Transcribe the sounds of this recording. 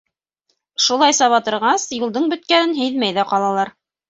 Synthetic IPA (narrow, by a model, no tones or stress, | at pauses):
ʃulˠɑjsɑβɑt̪ɤ̆ɾʁɑsjulˠd̪ɤɴbɵ̆t̪̚kænɘnɦɘ̆jðmæjðæqɑlˠɑlˠɑɾ